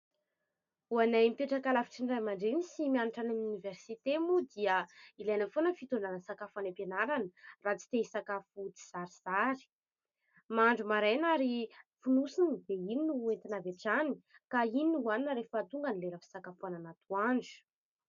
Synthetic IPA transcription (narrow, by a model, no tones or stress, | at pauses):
uanajmipeʈ͡ʂakalafi̥ʈ͡ʂiɳɖ͡ʐajmaɳɖ͡ʐenisimianuʈ͡ʂanamuniversit̪emud̪iəilajnəfonəfit̪onanəsakafanapenaɾanərat͡si̥t̪eisakafut̪i̥z̥aɾiz̥aɾi̥ | maɳɖ͡ʐumaɾejnaɾifunusinid̪eininuent̪inaveʈ͡ʂani̥ | kaininuaninɾefəat̪uŋɡanileɾafi̥sakafuananat̪uaɳɖ͡ʐu̥